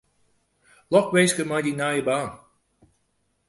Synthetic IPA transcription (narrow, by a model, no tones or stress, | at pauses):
lɔkʋejskəmajdinajəbaːn